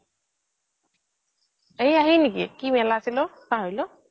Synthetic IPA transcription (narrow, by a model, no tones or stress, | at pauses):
ejaɦinikḭkimɛlasilɔ | paɦojlɔ